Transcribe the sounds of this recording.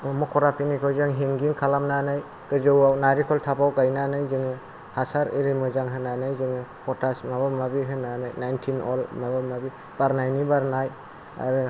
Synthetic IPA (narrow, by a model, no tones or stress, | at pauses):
mɔkʰɔɾapʰinikʰɔjzaŋɦeŋɡiŋkʰalamnanaj | kɯzɯwawnaɾikʰɔltʰapawkajnanajzɯŋɯ | hasaɾeɾimɯzaŋɦɯnanajzɯŋɯpʰɔtasmaβamabiɦɯnanajnajntʰinɔ̰lmabɯmabi | b̥aɾnajnibaɾnaj | a̰ɾɯ